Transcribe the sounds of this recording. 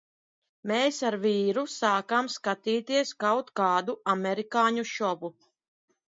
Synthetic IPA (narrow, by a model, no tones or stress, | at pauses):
meːsaɾviːɾusaːkamskat̪iːt̪iɛskawt̪kaːd̪uamɛɾikaːɲuʃɔbu